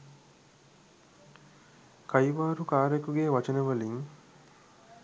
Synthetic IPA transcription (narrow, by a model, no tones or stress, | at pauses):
kɐjʋaːɾukaːɾekuɡeːʋɐt͡ʃənɐʋɐliŋ